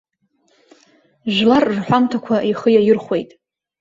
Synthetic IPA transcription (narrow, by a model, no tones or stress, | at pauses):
ʒlarrħʷᶣamtʰakʷʰaʔiχəjajɪrχʷwe̞jtʼ